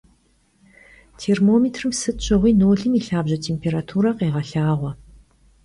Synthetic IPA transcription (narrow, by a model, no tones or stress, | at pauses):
tʰeːrmoːmeːtʰrɨmsɨɕʼɐʁʷiːnoːɮɨmiːɬaːbʑɐtʰeːmpʰeːɾatʰuːɾɐqeːʁɐɬaːʁʷɔ